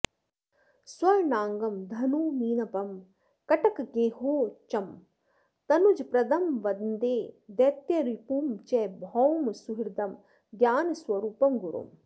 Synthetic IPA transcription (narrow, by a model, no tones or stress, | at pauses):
swɐɾnaːŋɡɐmd̪ʱɐnuːmiːnɐpɐm | kɐʈɐkɡeːɦoːt͡ʃɐm | t̪ɐnud͡ʒpɾɐd̪ɐmʋɐd̪nd̪eːd̪ɐt̪jɐɾipumt͡ʃɛbʱɔwmsuɦiɾd̪ɐm | ɡjaːnɐswɐɾuːpɐmɡuɾṵm